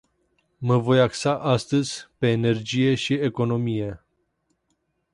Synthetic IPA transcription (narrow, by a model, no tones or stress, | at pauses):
məvo̞jaksaʔast̪əzʲpe̞ːne̞rd͡ʒije̞ʃieko̞no̞mije̞